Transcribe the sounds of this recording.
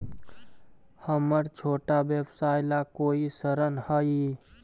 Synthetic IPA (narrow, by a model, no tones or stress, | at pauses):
həməɾt͡ʃʰoːʈabjəbsaːjlakoːisəɾənhəi